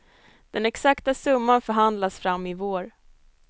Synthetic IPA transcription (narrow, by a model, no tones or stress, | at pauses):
d̪̥ɛnɛksakt̪asɵmːanfœɾɦand̪lasfɾamːɪvoːɾ